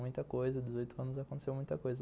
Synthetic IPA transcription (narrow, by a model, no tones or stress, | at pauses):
ũj̃t̪ɐkojzɐd̪ezojt̪ʊɐ̃nʊzakõt̪esewmũj̃t̪ɐkojzɐ